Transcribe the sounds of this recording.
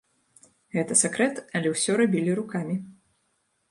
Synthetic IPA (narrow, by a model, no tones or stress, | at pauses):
ɣɛt̪ɐsʲakɾɛt̪ɐlʲɛwsʲɔɾabʲilʲiɾukamʲi